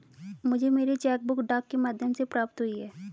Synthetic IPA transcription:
mʊd͡ʒʱemeːɾit͡ʃɛːk̚bʊkɖaːkːemaːd̪ʱjəmsepɾaːp̚t̪ɦʊiɦɛː

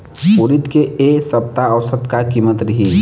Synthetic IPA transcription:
poːɾit̪keesəp̚t̪aɔːsət̪kakiːmət̪ɾəɦi

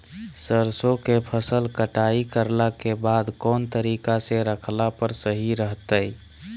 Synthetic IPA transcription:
səɾsokepʰəsəlkəʈaikəɾlakebad̪kɔːnt̪əɾikaseɾəkʰlapəɾsəɦiɾəɦt̪əj

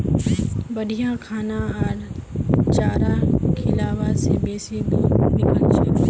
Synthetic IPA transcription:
bəɗʱijãkʰaːnãɦaːlt͡ʃaːɾakʰɪlaːʋasebeːsid̪uːɾbɪkəlt͡ʃʰe

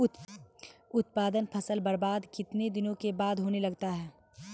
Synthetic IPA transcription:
ʊt̪̚paːd̪ənpʰɐsəlbɐɾbaːd̪kɪt̪ned̪ɪnõkebaːd̪ɦoːnelɐɡt̪aɦɛː

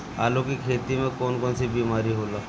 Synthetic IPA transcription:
a̰ːlokikʰeːt̪imẽkɔnkɔnsibiːmaɾiɦola

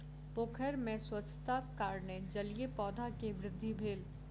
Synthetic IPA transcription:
pokʰəɾmẽswɐt͡ʃʰt̪akaːɾned͡ʒɐlijepɔːd̪ʱakeʋɾɪd̪ʱːibʱeːl

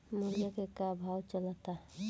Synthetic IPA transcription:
mulijakekabʱawt͡ʃələt̪a

